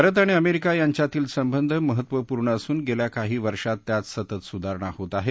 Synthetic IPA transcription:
aɾət̪̬aɽ̃iəmeɾikajaɲt͡ɕjat̪iːlsəmbənd̪ʱəməɦət̪ːʋəpuɾɳəəsuːnɡeljakaɦiːʋəɾʂat̪ːjat͡ssət̪ət̪sud̪ʱaɾəɳahot̪aɦe

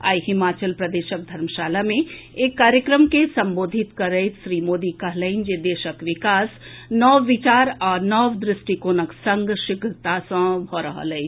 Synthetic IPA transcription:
a̰ːiɦɪmaːt͡ʃəlpɾɐd̪eːʃək̚d̪ʱɐɾmʃaːlamẽ | eːkːaːɾjəkɾəmkesɐ̃mboːd̪ʱɪt̪kɐɾəɪt̪ʃɾiːmoːd̪ikɐɦləɪnd͡ʒed̪eːʃəkʋɪkaːs | nɔːwːɪt͡ʃaːɾɔːɾnɔːʋd̪ɾɪsʈikoːnəksə̃ŋɡʃɪkɾət̪asə̃bʱoɾəɦə̰lɛː

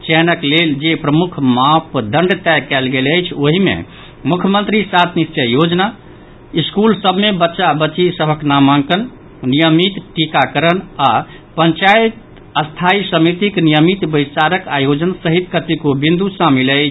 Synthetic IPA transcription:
t͡ʃɛɦnəkleld͡ʒepɾəmukʰmapd̪ʱə̃ɳɖt̪ɛkɛlɡeləjt͡ʃʰoɦimḛ | mukʰjəmənt̪ɾisat̪ʰnist͡ʃəjod͡ʒna | iskulsəbʱmebətːʃabət͡ʃisəbʱəknamãŋkən | nijəmit̪ʈikakəɾəna | pənt͡ʃajt̪ | əst̪ʰaisəmit̪iknijəmit̪bəjt͡ʃaɾəkajod͡ʒənsəɦit̪̚kət̪ikobĩnd̪ʱusamiləjt͡ʃʰ

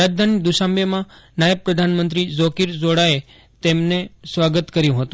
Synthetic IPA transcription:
ad͡ʒd̪ʱanid̪uʃambemã | najəb̚pɾəd̪ʱanmənt̪ɾizɔkiɾd͡ʒoɽae | t̪emnesʋaɡət̪kəɾjũɦət̪ũ

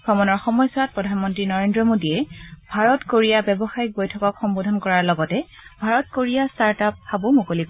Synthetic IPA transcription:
ɡ̥ʰɔmɔnɔɹxɔmɔjsat̚pɹɔdʱanmɔntɹinɔɹendɹɔmodiɛbʱaɹɔtkoɹijabɛbɔxajik̚bojtʰɔkɔkxɔmbodʱɔnkɔɹaɹlɔɡɔtɛ | b̥ʱaɹɔtkoɹijastaɹtap̚habomokolik

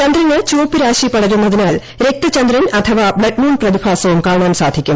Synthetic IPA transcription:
t͡ɕɐnd̪rɐnɨt͡ɕuːpːiɾaːɕipɐɽɐɾunːɐðinaːl | ɾe̞k̚t̪ɐt͡ɕɐnd̪ɾɐnɐt̪ʰɐʋabɭɐʈmuːɳprɐðifʰaːsɐʋumkaːɳaːnsaːd̪ʱikʲːum

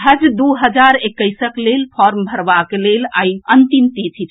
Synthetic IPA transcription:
ɦəd͡ʒd̪uɦəd͡ʒaɾekːəjsəklelpʰɔɾmbʱəɾbakelela̰jənt̪imt̪it͡ʃʰit͡ʃʰ

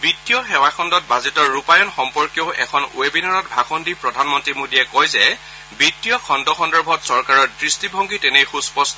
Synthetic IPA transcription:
bitːiɔxɛwakʰɔndɔt̚bazitɔɹupajɔnxɔmpɔɹkijoʊʔɛ̰kʰɔnʊ̰ebinɔɹɔt̚bʱaxɔndipɹɔdʱanmɔntɹimodiɛkɔjzɛ | bitːijɔkʰɔndɔxɔndɔɹbʱɔtsɔɹkaɹɔɹdɹistibʱɔŋɡitɛnejxuspɔst

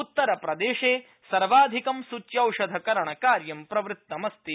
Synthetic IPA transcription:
ut̪ːɐɾɐpɾɐd̪eːʃeː | sɐɾʋaːd̪ʱikɐmsut͡ʃːjɐwʃɐd̪ʱɐkɐɾɐɳɐkaːɾjɐmpɾɐʋɾɪt̪ːɐmɐst̪i

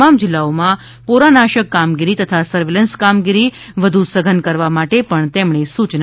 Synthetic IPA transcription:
amd͡ʒɪlːaomã | puɾanaʃəkːamɡiɾit̪ət̪ʰasəɾʋelənskamɡiɾi | ʋəd̪ʱusəɡʱənkəɾʋamaʈepəɳt̪emɳesut͡ʃn

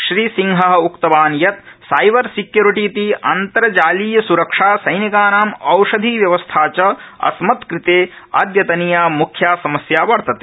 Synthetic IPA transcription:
ʃɾiːsiŋɦɐɦɐ̆ukt̪ɐʋaːnjɐt̪̚saːjbɐɾsikjuːɾiʈiːt̪iʔɐnt̪ɐɾɐd͡ʒaːliːjɐsuɾɐkʂaːsɐjnikaːnaːmɐwʂɐd̪ʱiːʋjɐʋɐst̪ʰaːt͡ʃɐɐ̰smɐt̪kɾɪt̪eː | ɐ̰d̪jɐt̪ɐnijaːmukʰjaːsɐmɐsjaːʋɐɾt̪ɐt̪e

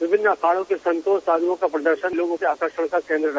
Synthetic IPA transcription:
ʋɪbʱɪnːəkʰaːɽõkesɐ̃nt̪oːʃsaːd̪ʱiõkapɾɐd̪əɾʃənloːɡõkeaːkəɾʃəɽ̃kakẽːnd̪ɾəɾɐɦ

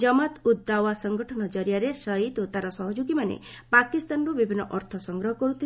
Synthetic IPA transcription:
d͡ʒɔmat̪ud̪ːawasɔŋɡʱɔʈʰɔnɔd͡ʒɔɾjaɾesɔit̪ot̪aɾɔsɔɦɔd͡ʒoɡimanḛpakist̪anɔɾubibʱinːɔʔɔɾt̪ʰɔsɔŋɡɾɔɦɔkɔɾut̪ʰi

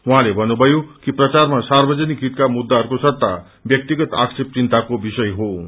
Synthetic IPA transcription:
uɦãlebʱʌnːubʱʌjokiprʌt͡sarmasarbʌd͡zʌnikɦit̪kamud̪ːaɦʌɾukosʌrt̪ːa | bjʌk̚t̪iɡʌt̪a̰ksep̚t͡sint̪akobisʌjɦo

